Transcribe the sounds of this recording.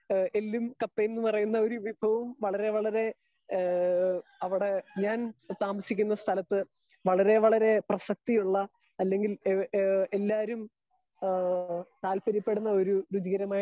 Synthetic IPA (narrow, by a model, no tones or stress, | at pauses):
e̞lːumkɐpːejnːɨpɐrɐjunːɐo̞ɾuʋibʱɐʋɐmʋɐɭɐɾe̞ʋɐɭɐɾe̞ | ɐʋiɽe̞ɲaːnut̪ːaːmɐsikʲːunːɐst̪ʰɐlɐt̪ːɨ | ʋɐɭɐɾe̞ʋɐɭɐɾe̞prɐsɐk̚t̪ijuɭːɐ | ɐlːe̞ŋɡil | elːaːɾum | t̪aːlpɐɾipːe̞ɽunːɐo̞ɾuɾud͡ʑiɣɐɾɐmaːj